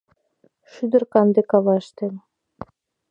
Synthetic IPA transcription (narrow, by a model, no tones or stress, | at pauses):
ʃyd̪ə̆rkɑnd̪ekɑβɑʃt̪el